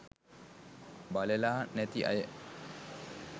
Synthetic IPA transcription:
balelaːnæt̪iʔa̰jə

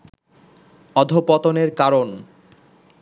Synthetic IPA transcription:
ɔd̪ʱopɔt̪oneɾkaɾon

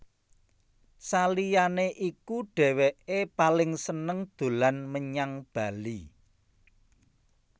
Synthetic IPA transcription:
salijaneʔikuɖ̥ɛ̤weʔepalɪŋsənəŋd̪̥o̤lanməɲaŋb̥a̤li

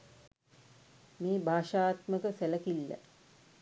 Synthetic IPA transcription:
meːbʱaːʃaːt̪məkəsæləkilːə̰

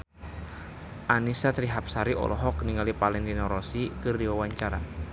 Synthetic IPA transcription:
ʔanisat̪ɾiɦap̚saɾiʔɔ̰lɔɦɔkniŋalipalɛŋd̪inɔɾɔsikɨrdiwawaɲt͡ʃaɾa̰

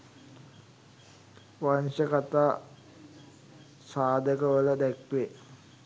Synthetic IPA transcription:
ʋanʂəkat̪aː | saːd̪ʱəkəʋələd̪ɛkʋe

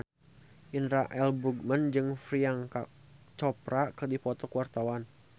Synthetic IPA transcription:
ʔinɾaʔɛlbuɡmənd͡ʒɨŋfɾiaŋka | t͡ʃɔpɾakɨrdipɔt̪ɔkuwart̪awan

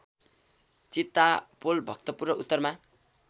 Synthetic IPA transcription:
t͡sit̪ːapolbʱʌk̚t̪ʌpurnʌʔut̪ːʌrma

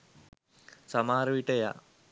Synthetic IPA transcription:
samaːɾəʋiʈəja̰

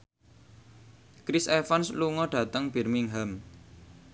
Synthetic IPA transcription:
kɾisɛfansluŋɔɖ̥ä̤t̪əŋb̥ɛ̤rmiŋɦam

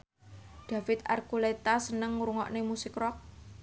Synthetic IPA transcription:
d̪̥afɪt̪a̰rkulet̪asənəŋuɾuŋɔʔnemusɪkrɔk̚

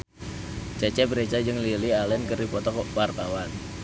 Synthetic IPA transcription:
t͡ʃɛt͡ʃɛbɾet͡ʃad͡ʒɨŋlilialɛnkəripɔt̪ɔkwart̪awan

